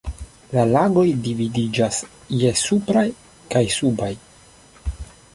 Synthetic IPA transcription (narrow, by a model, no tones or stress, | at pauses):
lalaɡo̞jdividid͡ʒas | jesupɾaj | kajsubaj